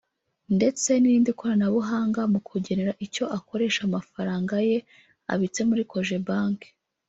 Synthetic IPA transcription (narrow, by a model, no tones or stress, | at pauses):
nde̞t͡se̞niiːndikoɾanaβuɦaːŋɡamukʰuɟe̞neɾaʔico̞ʔako̞ɾe̞ːʃamafaɾaːŋɡaje̞ | a̰βit͡se̞muɾiko̞ʒe̞baːŋke̥